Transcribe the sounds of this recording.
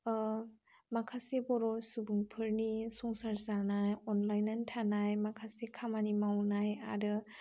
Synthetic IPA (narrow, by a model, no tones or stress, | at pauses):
makʰasebɔɾɔsubuŋpʰɯɾnisɔŋsaɾsaɾnajɔnlajnantʰanajmakʰasekʰamanimawnaja̰dɯ